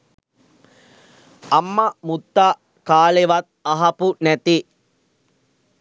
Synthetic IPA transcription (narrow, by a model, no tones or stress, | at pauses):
amːamut̪ːaː | kaːleʋat̪̚aɦɐpunæt̪i